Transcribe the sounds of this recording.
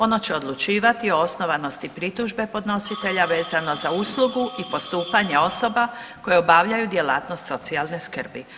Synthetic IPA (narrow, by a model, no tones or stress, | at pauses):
o̞no̞t͡ɕe̞o̞d̪lˠut͡ʃiːʋat̪io̞osno̞ʋano̞st̪ipɾit̪uʒbe̞po̞d̪no̞sit̪e̞ʎaʋe̞ːzano̞zausluɡuipo̞st̪uːpaɲe̞o̞so̞bako̞jeobaʋʎajud̪je̞la̰ːt̪nost̪so̞t̪sialˠne̞skr̩bi